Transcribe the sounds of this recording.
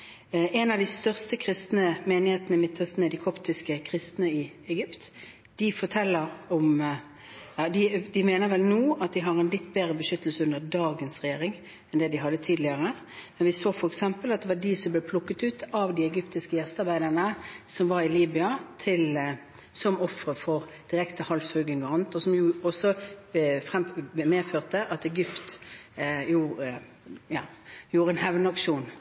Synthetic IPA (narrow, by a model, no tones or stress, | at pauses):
ʔɛnɑʋd̪ɪst̪œʁst̪əkʰʁɪst̪nəmeːnɪheːt̪nəɪmɪt̪ʰːɔst̪nəd̪ɪkʰɔpt̪ɪskəkʰʁɪst̪nəɪ | ɛɡʏpt̪ | d̪̥ɪfɔʈ̪ʰɛlːəɾɔm | ɑd̪ɪd̪ɪmeːnəʋɛlnuːɑt̪̚d̪ɪɦɑʁɛnlɪt̪ːbeːɾəbəʃʏt̪ːəlsəʉnd̪əd̪ɑːɡənsʁɛjeːʁɪŋ | ɛnd̪ɛd̪ɪɦɑd̪ːət̪ʰiːd̪lɪɑʁə | mɛnʋɪsoːfɔɾɛksɛmpəlɑt̪̚d̪ɛʋɑdɪsɔmblɛːpʰlʊkːət̪ʉːt̪ʰɑʋd̪ɪɛɡʏpt̪ɪskəjɛst̪ɑɾbæɪd̪əʁnəsɔmʋɑɾɪliːbɪɑt̪ʰɪl | sɔmɔfɾəfɔɾ | d̪̥ɪɾɛkt̪ʰəhɑlshʉːɡɪŋʁɑnt̪ɔsɔmjʊɔsːɔ | fʁɛmmeːføːʁt̪əʔɑt̪ɛɡʏpt̪ | juː | jɑːjuːɾəɛnhɛʋnəɑkʂuːn